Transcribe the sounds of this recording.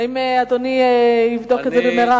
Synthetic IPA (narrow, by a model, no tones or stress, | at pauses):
imead̪oniivd̪oket̪zɛbemeʁa